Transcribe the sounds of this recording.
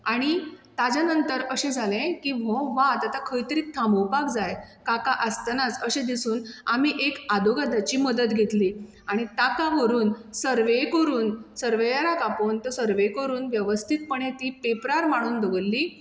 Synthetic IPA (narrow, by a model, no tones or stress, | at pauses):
aɽ̃it̪ad͡ʑanənt̪əɾəɕẽd͡zʱalẽkimɔʋat̪at̪akʰəjt̪əɾiːk̚t̪ʰaməwpakd͡zajkakaʔəst̪nat͡səɕẽd̪isuːnamiːʔekad̪oɡad̪ʱat͡ɕiːməd̪ət̪ɡʱet̪liː | aɽ̃it̪akaʋəɾuːnsəɾʋekəɾuːnsəɾʋejaɾakapont̪əsəɾʋekəɾuːnʋjəʋəst̪ʰit̪̚pəɳ̃ẽt̪iːpepɾaɾmaɽ̃uːnd̪əɡəlːiː